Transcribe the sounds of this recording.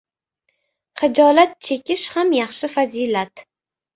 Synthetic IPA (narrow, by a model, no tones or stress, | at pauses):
χɪd͡ʒɒlat̪̚t͡ʃʰe̞kʲʰɪʃhamjɑχʃɪfazilat̪